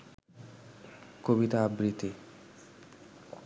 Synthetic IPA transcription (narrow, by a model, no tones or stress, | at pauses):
kobit̪aabɾit̪i